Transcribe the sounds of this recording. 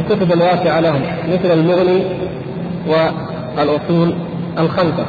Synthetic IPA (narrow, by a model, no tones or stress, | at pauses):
kʊsˤʊd̪alwaːsɪʕalahʊm | mɪθlalmʊɣni | wɪ | alʔʊsˤuːl | ʔalxamsa